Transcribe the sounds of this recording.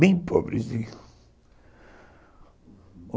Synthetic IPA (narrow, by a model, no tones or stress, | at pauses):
ẽj̃pʰɔbɾɪzd̪i